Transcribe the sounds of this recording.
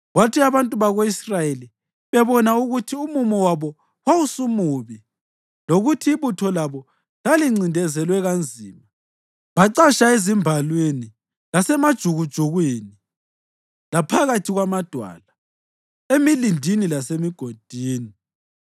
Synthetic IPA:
ɣwatʰiaβantʼuβaɣeisrajeli | βɛβɔnauɣutʰiumumɔwaβɔ | wausumuβi | loɣutʰiːβutʰɔlaβɔ | laliŋ͡ǀindʱɛzɛlwɛɣand͡zʱiːma | βaǀaʃaezimbʱalweni | lasɛmad̥ʒ̥ʱuɣud̥ʒ̥ʱuɣwiːni | lapʰaɣatʰiɣwamad̥ʱwa̰ːla | emilindʱinilasemiɡ̥ʱod̥ʱiːni

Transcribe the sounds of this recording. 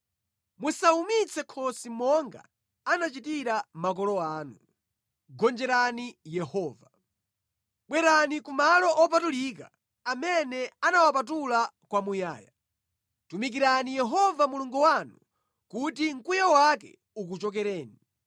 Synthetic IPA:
musaumit͡sʰɛkʰɔsimɔŋɡa̰ | anat͡ʃitiɾamak̬ɔlɔaːnu | ɡɔnd͡ʒɛɾanijɛhɔːva | ɓwɛɾanikumalɔʔɔp̬atulika | amɛnɛanawapat̬ula | kwamuja̰ːja | tumik̬iɾanijɛɦɔvamuluŋɡuwanu | kutiŋ̩kujawakɛ̰ | uk̬ut͡ʃɔk̬ɛɾɛːni

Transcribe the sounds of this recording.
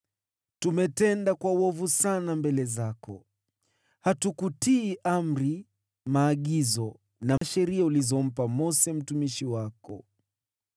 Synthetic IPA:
tumɛtɛndakwawɔvusanambɛlɛzakɔ̰ | hatukutiːʔam̩ɾi | maːɠizɔ | naʃɛɾiaulizɔm̩pamɔsɛm̩tumiʃiwakɔ̰

